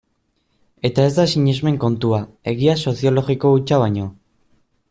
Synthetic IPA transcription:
e̞t̪ae̞zd̪asiɲe̞zme̞ŋko̞nt̪ua | e̞ɣiaso̞θiolo̞ɣiko̞ut͡ʃaβaɲo̞

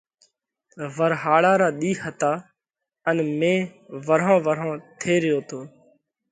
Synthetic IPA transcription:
ʋəɾɦaːɭaːɾaːɗ̪iːhət̪aː | ənmẽːʋəɾɦãːʋəɾãːt̪ʰeːɾɪjoːt̪ʰoː

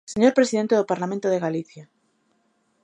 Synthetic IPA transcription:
seɲo̞ɾpɾe̞siðe̞nt̪eðopaɾlamẽnt̪oð̞eɣaliθja

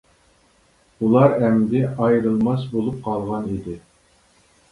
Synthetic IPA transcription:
ulˠɑɾɛmd̪ɪɑjɾɨlˠmɑsbolˠup̚qʰɑlˠʁɑnid̪ɪ

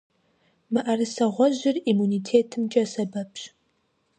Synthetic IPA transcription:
mɨʔɐrɨsɐʁʷɔʑɪrimuniːtʰeːtʰɨmt͡ʃʼɐsɐbɐpɕ

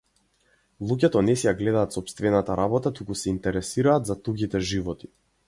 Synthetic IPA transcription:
lˠuɟɛt̪ɔnɛsɛjaɡlɛd̪aːt̪sɔpst̪vɛnat̪aɾabɔt̪at̪ukusɛint̪ɛɾɛsiɾaːd̪zat̪uɡit̪ɛʒivɔt̪i̥

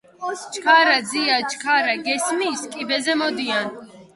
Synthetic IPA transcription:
t͡ʃkʰaɾad̪ziat͡ʃʰʼkʰaɾaɡɛsmiːskʼibɛzɛmɔd̪ian

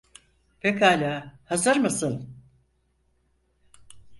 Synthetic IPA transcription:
pekaːlʲaːhazaɾmasɯn

